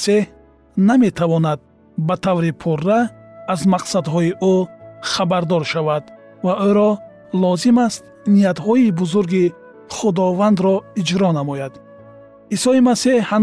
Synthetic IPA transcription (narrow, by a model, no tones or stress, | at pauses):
sih | name̞t̪ʰavɔnad̪̚ | bat̪ʰavɾipʰurːaːzmaqsad̪ɦɔiʔuχabaɾd̪ɔɾʃavad̪ | vaoɾɔ | lɔzimast̪̚ | nijat̪hɔibuzuɾɡi | χud̪ɔvand̪ɾɔid͡ʒɾɔnamɔjad̪ | isɔimasehha